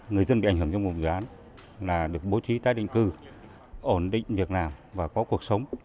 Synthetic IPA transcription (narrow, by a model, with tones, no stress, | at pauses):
ŋɨ˨˩əjzə˧nɓḭ˧˨a˧˩jŋɦɨ˧˩ŋt͡ɕɔ˧ŋ͡mvʊ˨˩ŋ͡mzɨ˨ʔaː˨˦n | laː˨˩ɗɨ˨˩ək̚ɓo˨˦t͡ɕi˨˦t̪aː˨˧˦jɗḭ˧˨ŋ̟kɨ˧ | ʔo˧˩nɗḭ˧˨ŋ̟vi˨˩ək̚naː˨˩mvaː˨˩kɔ˨˦ku˨˩ək̚sə˨˦wŋ͡m